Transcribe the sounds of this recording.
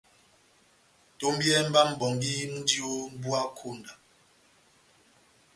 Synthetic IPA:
to˦m˦bjɛ˦m̩˦ba˦m̩˦bɔ˨ŋɡi˦n̩˦di˦o˦bwa˦kʰo˦˨nda˨

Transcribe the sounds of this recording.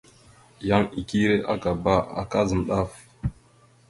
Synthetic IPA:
ja˦ŋi˨ki˦ɾe˦ʔa˦ɡa˨ba˦a̰˨ka˦zə˨nɗa˦˨f

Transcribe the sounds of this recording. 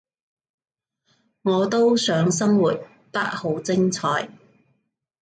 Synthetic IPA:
ŋɔː˨˧t̪o˥wsœː˨˧˥ŋs̬ɐ˥ŋwuː˨˩t̚ | p̪ɐ˥t̚ho˨˥wt͡sɪ˥ŋt͡sʰɔː˨˧j

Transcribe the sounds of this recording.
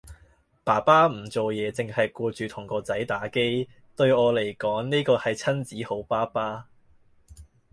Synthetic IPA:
paː˨˩paː˥m̩˨˩t͡so˨wjɛː˨˧t͡sɪ˨ŋhɐ˨jkɔː˧t͡ʃyː˨t̪ʰʊ˨˩ŋkɔː˧t͡sɐ˨˥jt̪aː˨˥ke˥j | t̪ɵ˧ɥɔː˨˧le˨˩jkɔː˨˥ŋniː˥kɔː˧hɐ˨jt͡sʰɐ˥nt͡siː˨˥ho˨˥wpaː˥paː˥

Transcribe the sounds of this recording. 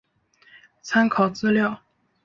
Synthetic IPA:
t͡sʰa˥nkʰɑ˨˩ʊt͡sɹ̩˥ljɑ˥˩ʊ

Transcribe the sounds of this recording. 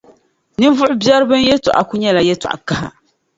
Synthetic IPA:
nɨ˦vʊ˦ʔʊ˦bja˦ɾbɨ˦n˦jɛ˦tu˨ʔa̰˨ku˦ɲɛ˦la˨jɛ˦ta̰˨ʔa̰˨ka˦ha̰˨

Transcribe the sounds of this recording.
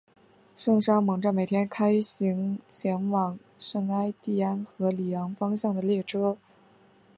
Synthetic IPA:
ʂɤ˥˩ŋʂa˥mɤ˧˩˥ŋʈ͡ʂə˥˩me˨˩ɪt̪ʰjɛ˥nkʰa˥ɪɕi˧˥ŋt͡ɕʰjɛ˧˥nwɑ˨˩ŋ | ʂɤ˥˩ŋa˥ɪt̪i˥˩a˥nxɤ˧˥li˨˩jɑ˧˥ŋfɑ˥ŋɕjɑ˥˩ŋd̪ə˩ljɛ˥˩ʈ͡ʂʰɤ˥

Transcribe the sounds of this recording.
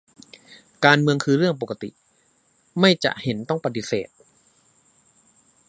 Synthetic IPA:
kaː˧nmɯ˧əŋkʰɯː˧ɾɯ˥˩əŋp̬o˨˩kːa˧t̪ḭ˨˩ʔ | ma˥˩jt͡ɕa̰˨˩ʔhe˩˦nt̪ɔ˥˩ŋpa˧t̪i˧sḛː˨˩t̪̚

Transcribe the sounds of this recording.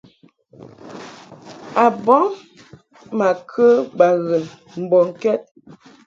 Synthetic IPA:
a˨bɔ˦ŋ | ma˨kʰə˦ba˨ɣə˨ | m̩˨bɔ˨ŋ̩˨kɛ˦t̚

